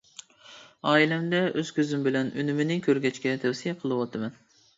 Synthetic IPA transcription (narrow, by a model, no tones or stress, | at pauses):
ɑːilɛmd̪ɛʔøz̥kʲʰøzymbɪlɛny̰nymɪnɪŋkʲʰøɾɡʲɛt͡ʃkʲɛt̪ʰɛwsijɛqʰəlˠɨwɑt̪ʰɨmɛn